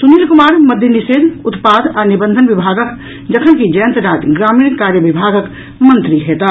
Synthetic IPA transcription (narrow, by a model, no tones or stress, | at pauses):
suniːlkʊmaːɾməd̪ʱjəniseːd̪ʊt̪paːd̪anibə̃nd̪ʱənʋɪbʱaːɡək | d͡ʒəkʰənkid͡ʒəjə̃nt̪əɾaːd͡ʒɡɾaːmiːnkaːɾjəʋɪbʱaːɡək | mənt̪ɾiɦeːt̪a